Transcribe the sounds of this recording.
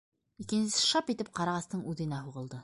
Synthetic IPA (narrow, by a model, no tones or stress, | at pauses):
ikɘ̆nsɘ̆sɘ̥ʃɑpit̪ɘp̚qɑɾɑʁɑst̪ɤɴʉðɘ̆næɦuʁɤ̆lˠd̪ɤ